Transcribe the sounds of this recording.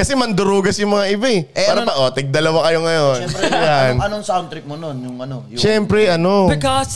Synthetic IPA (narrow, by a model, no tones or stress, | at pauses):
kɐsɛmɐnd̪ʊɾuːɡɐsjʊŋmɐŋaʔɪbaʔɛʔaːɾɐpɐʔoːt̪ɛɡ̚d̪ɐlɐwakɐjo̞ŋɐjo̞njanɐnoŋsawnt̪ɾɪk̚mononjʊŋɐnoʃɛmpɾɛʔɐno̞bɪkɔs